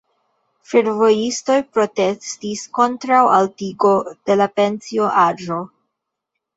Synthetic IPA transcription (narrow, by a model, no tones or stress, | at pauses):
feɾvo̞jisto̞jpɾo̞te̞stisko̞ntɾawaltiɡo̞d̥e̞lape̞nsio̞ʔaʒo̞